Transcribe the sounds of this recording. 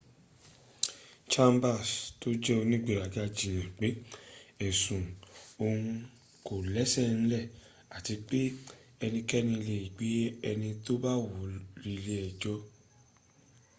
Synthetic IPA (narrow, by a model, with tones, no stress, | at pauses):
t͡ʃa˦mba˦˨sto˦d͡ʒɛ˦o˧nĩ˦ɡ͡be˦˨ɾa˨ɡa˧d͡ʒĩ˨ɛ̃˨k͡pe˨˦ɛ˨sũ˨o˧ŋũ˧ | ko˨lɛ˨˦sɛ˦˨ñ̩˦lɛ˦˨ | a˨ti˨˧k͡pe˦ɛ˧nĩ˧kɛ˦nĩ˧i˧le˧i˨ɡ͡be˨˦ɛ˧nĩ˧to˦ba˦wo˨˦ɾi˧le˧˦ɛ˨d͡ʒɔ˦